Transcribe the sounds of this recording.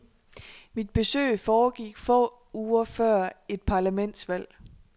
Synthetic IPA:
mid̥̚b̥e̝sø̰ːɪfɒːɡ̥iɡ̥fɔ̰ː | uːɐfɶɐ̰e̝d̥̚pʰɑ̈ːlæmen̰d̥sʋæl̰

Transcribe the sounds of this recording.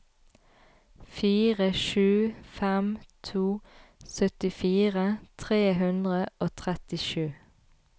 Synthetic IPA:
fiːʁəʃʉːfɛmt̪ʰuːsœt̪ɪfiːʁət̪ʰʁeːɦʉnd̪ʁəoːt̪ʰʁɛt̪ɪʃʉː

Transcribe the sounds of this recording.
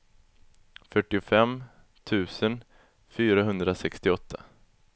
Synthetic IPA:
fœʈːɪʊfɛm | t̪ʰʉ̟ːsən | fyːɾaɦɵnd̪ɾasɛkst̪ɪɔt̪ʰːa

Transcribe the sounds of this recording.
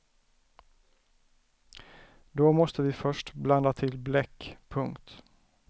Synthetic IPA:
d̪ɔmɔst̪əvɪfœʂʈbland̪at̪ʰɪlblɛkːpʰɵŋkt̪

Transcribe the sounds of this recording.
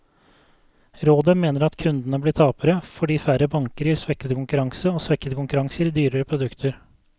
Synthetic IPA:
ɾoːd̪əmeːnəɾɑt̪kʰʉnd̪nəblɪːt̪ʰɑːpəɾəfɔɖiːfæɾəbɑŋkəɾjiːɾsʋɛkːət̪əkʰʊŋkʉɾɑŋsəoːsʋɛkːət̪əkʊŋkʉɾɑŋsəɾɪd̪yːɾəɾəpʰɾʊd̪ʉkt̪ʰəɾ

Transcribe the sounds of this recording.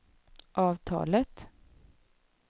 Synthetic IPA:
ʔɑːvt̪ʰɑ̰ːlət̪

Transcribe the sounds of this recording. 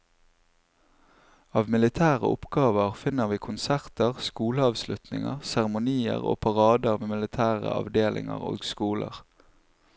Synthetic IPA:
ɑːʋmɪlɪt̪ʰæːʁəʔʊpɡɑːʋəʁfɪnəʁʋiːkʰʊnsæʁt̪əʁskuːləɑːʋslʉt̪nɪŋəʁsæʁəmʊniːəʁo̰ːpʰɑʁɑːd̪əmeːmɪlɪt̪ʰæːʁə̰ɑ̰ʋd̪eːlʔɪ̰ŋə̰ʁo̰ːɡskuːlə̰ʁ

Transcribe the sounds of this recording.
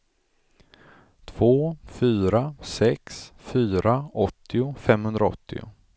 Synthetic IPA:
t̪ʰvoːfyːɾasɛksfyːɾaɔt̪ʰːɪʊfɛmhɵnd̪ɾaɔ̰t̪ʰːɪ̰ʊ̰

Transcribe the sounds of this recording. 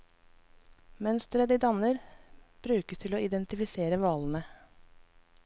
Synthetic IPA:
mœnst̪ɾəd̪iːd̪ɑnəɾb̥ɾʉːkəst̪ʰɪloːɪd̪ɛnt̪ɪfɪseːɾəʋɑːln̩ə

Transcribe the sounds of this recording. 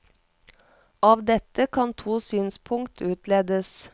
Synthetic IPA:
ɑːʋd̪ɛt̪əkʰɑnt̪ʰuːsyːnspʰʊŋt̪ʰʉːt̪leːd̪əs

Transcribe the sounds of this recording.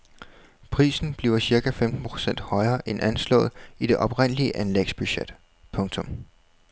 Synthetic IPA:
pʰʁḭːsn̩b̥liːʊɐsiɐɡ̥æfemd̥n̩pʰʁo̥sen̰d̥hɒ̽ɪɐːʔenʔænslɔ̰̽ːð̞̩ˠid̥e̝ʔɒ̽b̥ʁen̰liəʔænlḛɡ̥sb̥yɕed̥ | pʰɔ̽ŋt͡sʰɔ̽m

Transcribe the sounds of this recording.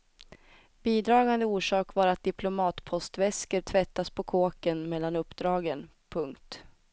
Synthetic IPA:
b̥iːd̪ɾɑːɡand̪əuːʂɑːkvaɾat̪̚d̪ɪpʰlʊmɑːt̪pʰɔst̪vɛskəɾt̪ʰvɛt̪ːaspʰɔkʰoːkənmɛlːanɵpːd̪ɾɑːɡən | pʰɵŋkt̪

